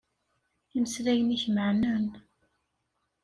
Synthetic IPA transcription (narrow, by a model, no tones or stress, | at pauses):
iməsɾæjəniçməʕnæn